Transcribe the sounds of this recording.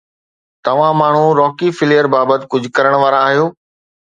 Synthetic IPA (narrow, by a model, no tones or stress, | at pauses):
t̪ɐʋ̤ãmaːɳ̤uɾɔːkifɪljəɾbaːbət̪ɪ̥̆kʊd͡ʑʱʊ̆kɐɾəɽ̃ʋaːɾaːɦijoː